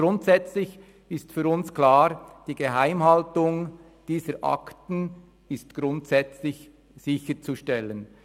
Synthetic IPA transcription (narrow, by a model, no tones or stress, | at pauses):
ɾʊntsɛt͡slɪç | ɪstfyːɾʊnsklaːɾd̥iːɡ̥eɦaɪmhaltʊŋ | d̥iːzəɾʔɑ̰ktn̩ | ɪstɡ̥ɾʊntsɛt͡slɪç | z̥ɪçəɾt͡suʃtɛlən